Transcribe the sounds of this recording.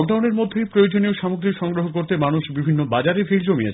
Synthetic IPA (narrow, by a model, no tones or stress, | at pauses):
k̚ɖawneɾmod̪ʱːejpɾojod͡ʑoneoʃɔmuɡɾikʃɔŋɡɾoɦok̬oɾt̪emanuʃbibʱinːobad͡ʑaɾefild͡ʑomia